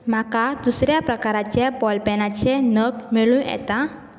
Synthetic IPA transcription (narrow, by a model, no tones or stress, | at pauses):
m̤akad̪usɾjapɾəkaɾat͡ɕebɔlpɛnat͡ɕenəɡmiɭũjɛ̰t̪a